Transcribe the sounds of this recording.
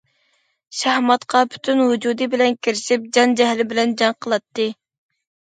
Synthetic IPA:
ʃæhmɑt̪qʰɑpʰy̥t̪ʰynɦud͡ʒud̪ɨbɪlɛnkʲʰiɾɪʃip̚d͡ʒɑnd͡ʒɛɦlɪbɪlɛnd͡ʒɑŋqʰəlˠɑt̪ːɨ

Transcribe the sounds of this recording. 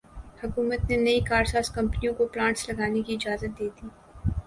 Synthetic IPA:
hʊkuːmət̪nenɐikaːɾsaːskɐ̃mpnijõkoplãːɳʈslɐɡaːnekiɪd͡ʒaːzət̪̚d̪eːd̪iː

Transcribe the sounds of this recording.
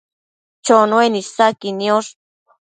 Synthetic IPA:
t͡ʃonwenisakinioʂ

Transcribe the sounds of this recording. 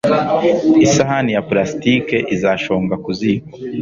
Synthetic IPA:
isaɦanijaplasi̥tike̞ʔizaʃoːŋɡakuziko̥

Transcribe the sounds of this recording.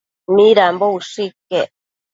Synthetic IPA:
miɾambouʂikːe

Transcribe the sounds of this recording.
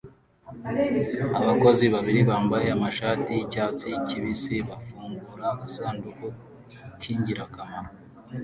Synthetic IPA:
aβako̞ziβaβiɾiβaːmbajeamaʃaːtiːcaːt͡siciβisiβafuːŋɡuɾaasaːnduku | tʰiːɲɟiɾakamaɾa

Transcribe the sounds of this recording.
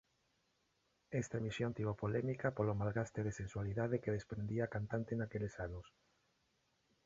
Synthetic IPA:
ɛst̪amisjont̪iβopolɛmikapolomalɣast̪eðesenswaliðaðekeðespɾend̪iaːkant̪ant̪enakelesanʊs

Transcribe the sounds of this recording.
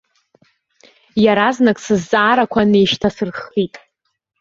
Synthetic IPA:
jaɾaznakʼsɨzːʼaːɾakʷʰanejʃtʰasɨrχitʼ

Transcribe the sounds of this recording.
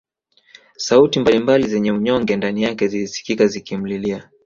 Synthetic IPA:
sautimbalimbalizɛɲɛuɲɔŋɡɛndanijakɛzilisi̥kikazikim̩lilia

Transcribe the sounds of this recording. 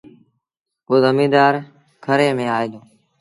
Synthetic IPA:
koːzəmĩːd̪aːɾ | kʰəɾeːmẽːaːeːd̪õː

